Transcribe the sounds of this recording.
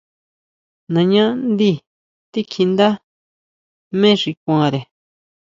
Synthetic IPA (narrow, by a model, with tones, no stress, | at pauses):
nã˨ɲã˦nd̪i˦ | t̪i˦kʰi˧nd̪a˦ | mẽ˦ʐi˧kʷã˨˧˨ɾe˨